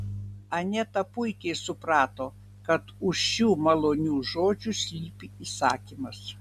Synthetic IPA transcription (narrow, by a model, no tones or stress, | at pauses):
ɐnʲɛt̪ɐpʊɪkʲɛɪsʊpɾɑːt̪oː | kɐt̪ʊʃʃuːmɐlˠoːnʲuːʒoːd͡ʒʲʊsʲlʲiːpʲiiːsɑːkʲimɐs